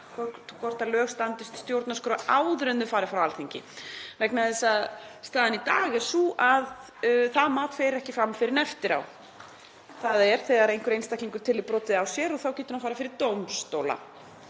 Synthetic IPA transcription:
kʰɔkʰɔr̥t̪alœːɣst̪ant̪ɪst̪st̪jowɾt̪naskɾaʔaːwðɾʏnðʏfaːɾɪfɾawalθiɲcɪ̰vɛknaðɪsaðst̪aːðɪnit̪aːɣɪɾ̥suʔað | θaðmaːt̪feːɾɪɾɛhcɪfɾamfɪɾɪnɛft̪ɪɾa̰w | θaðaɛɾ̥θɛɣaɾejŋ̥kʏɾejnst̪akʰliŋkʏɾ̥t̪ʰɪlɪðpɾɔːt̪ɪðawsjɛɾɔθawcɛːt̪ʏɾhanfaːɾafɪɾɪɾt̪owmst̪owla̰

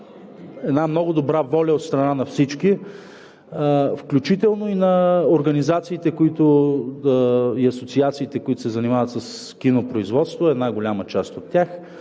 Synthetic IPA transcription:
ɛd̪namnɔɡʊd̪obɾavɔlʲɐot̪st̪ɾɐnanɐfsit͡ʃki | fklʲut͡ʃit̪ɛlˠnoinɐoɾɡɐnizat̪siːt̪ɛkoit̪ʊ | iɐsot̪siat̪siːt̪ɛkoit̪ʊ̥sɛzɐnimavət̪sɐs | kinopɾoizvɔt̪st̪voɛd̪naɡolʲamət͡ʃast̪ot̪ːʲax

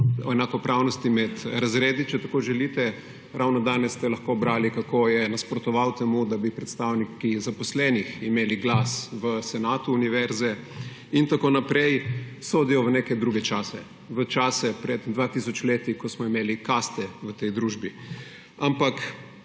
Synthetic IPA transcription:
ɔ̰ɛnakɔpɾawnɔst̪imɛt̪ɾazɾeːd̪it͡ʃɛt̪akoːʒɛlit̪ɛ | ɾawnɔd̪aːnɛsːt̪ɛlɐxkobɾaːlikakoːjɛnaspɾɔt̪ɔʋawt̪ɛmud̪abipɾɛt̪st̪awnikizapɔslɛniximeːliɡlasʋəsɛnaːt̪uːniʋɛɾzɛ | int̪akoːnapɾɛjsoːd̪ijɔʋənekɛd̪ɾuːɡɛt͡ʃaːsɛ | ʋət͡ʃaːsɛpɾɛd̪d̪ʋat̪isɔt͡ʃleːt̪ikɔsmɔimeːlikast̪ɛʋət̪ɛjd̪ɾuːʒbi | ampak

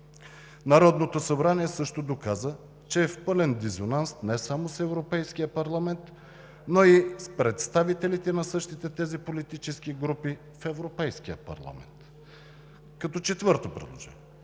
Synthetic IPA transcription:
nɐɾɔd̪not̪osɐbɾaniɛsɤʃt̪od̪okazə | t͡ʃɛːfpɤlɛnd̪izonansnɛsamosɛvɾopɛjskijəpɐɾlˠɐmɛnt̪ | noispɾɛt̪st̪avit̪ɛlit̪ɛnɐsɤʃt̪it̪ɛt̪ɛzipolit̪it͡ʃɛskiɡɾupi | fɛvɾopɛjskijə̰pɐ̰ɾlˠɐ̰mɛ̰nt̪ | kɐt̪ɔt͡ʃɛt̪vɤɾt̪opɾɛ̰d̪lˠo̰ʒɛ̰

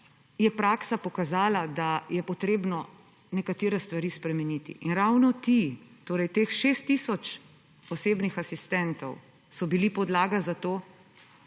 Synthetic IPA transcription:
jɛpɾaːksapɔkazaːlad̪ajɛpɔt̪ɾeːbnɔ | nɛkat̪eːɾɛst̪ʋaɾiːspɾɛmɛnit̪ḭʔinɾawnɔt̪it̪oːɾɛjt̪eːxʃeːst̪ːisɔt͡ʃ | ɔseːbnixasist̪ɛnt̪ɔw | sɔbilipɔd̪laːɡazat̪oː

